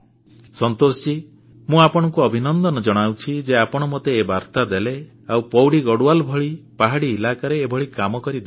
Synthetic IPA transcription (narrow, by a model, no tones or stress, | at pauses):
sɔnt̪osɔ̥t͡ʃi | mũapɔɽ̃ɔŋkuɔbʱinɔnd̪ɔnɔd͡ʒɔɽ̃awt͡ʃʰid͡ʒeapɔɽ̃ɔmot̪eːbaɾt̪ad̪ele | awpɔwɽiɡɔɽuwalbʱɔɭipaɦaɽiːlakaɾeːbʱɔɭikamɔkɔɾid̪e